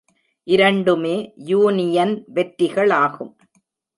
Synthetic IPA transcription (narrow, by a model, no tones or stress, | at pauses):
ʔɪɾɐɳɖɯmeːjuːnɪjɐnʋɛʈɾɪɣɐɭaːɣɯm